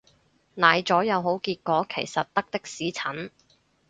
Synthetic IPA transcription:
naː˨jt͡sɔː˨˥jɐ˨˧wɦo˨˥wkiː˧t̚kʷɔː˨˥kʰḛ˨˩jsɐ˨t̚t̪ɐ˥k̚t̪ɪ˥k̚siː˨˥t͡sʰɐ˨˥n

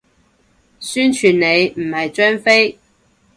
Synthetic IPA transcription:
syː˥nt͡ʃʰyː˨˩nne˨˧jm̩˨˩hɐ˨jt͡ʃœː˥nfe˥j

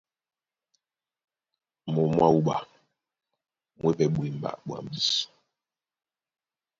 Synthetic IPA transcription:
mɔ˨mwa˦˨u˦ɓa˨ | mwe˦vɛ˨ɓwi˨m̩˨ba̰˦˨ʔbwa̰˨m̩˨bi˦s

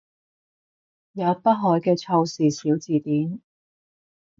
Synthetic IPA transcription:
jaː˨˥pɐ˥t̚ɦɔː˨˥jkɛː˧t͡ʃʰɐ˧wsiː˨˩siː˨˥wt͡siː˨t̪iː˨˥n

